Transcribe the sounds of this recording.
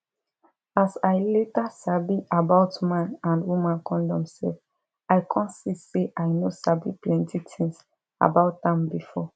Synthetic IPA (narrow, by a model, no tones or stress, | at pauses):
asajletasabiabaʊtmãnãndwumãnkʰɔ̃ndɔ̃msɛ̰lf | aɪkʰɔ̃ntsiseʔajnosabiplɛ̃ntʰitʰĩŋs | a̰baʊt̚dãmbifɔ